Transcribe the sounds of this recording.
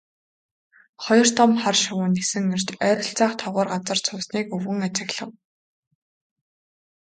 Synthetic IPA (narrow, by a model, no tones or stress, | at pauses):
χɔjɞ̆r̥t̪ʰɔmχarʃʊwʊːnːesɘ̆ŋer̥t͡ɕæːɾʲɪ̆ɬt͡saːχt̪ʰɔʁɔːrɢat͡sə̆r̥t͡sʰʊːsniːkɵwɣɘ̆ŋat͡ɕɪ̆ɣɮə̆w